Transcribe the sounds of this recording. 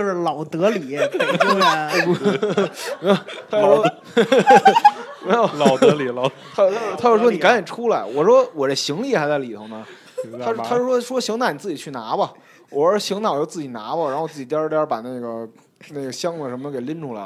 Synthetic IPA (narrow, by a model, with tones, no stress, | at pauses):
ʊʂɻ̩˥˩lɑ˨˩ʊt̪ɤ˧˥li˨˩˦ | t̪ʰa˥jʂwɔ˥˧˥ | lɑ˨˩ʊtli˨˧˩lɑ˨˧ʊa˥˧t̪ʰt̪ʰa˥jo˥˩ʂwɔ˥ni˨˩ka˧˥njɛ˨˩nʈ͡ʂʰu˥la˧˩ɪwɔ˨˩ʂwɔ˥wɔ˨˩d̪ə˦ɕi˧˥ŋli˥˩xa˧˥ɪt͡sa˥˩li˨˩t̪ʰo˧˥ŋnə˧ | a˥˩t̪ʰa˥ɻʂwɔ˥ʂwɔ˥ɕi˧˥ŋa˧˥ni˨˩t͡sɹ̩˥˩t͡ɕi˨˩y˥˩na˧˥bɐ˨ | ɔ˨˩˥ʂɕi˧˥ŋnɑ˨˩ʊt͡ɕjo˥˧ʊt͡sɹ̩˥˩t͡ɕi˨˩na̰˧˥bə˧˨ɻa˧˥nxt͡sɹ̩˥˩i˨˩jɑ˥˧jɑ˥˩pa˨˩na˥˩ɪɡə˩ | na˥˩ɡə˩ɕjɑ˥ŋd̪ə˨˩ʂə˧˥mə˧ke˨˩ɪli˥nʈ͡ʂu˥˩la̰˧ɪ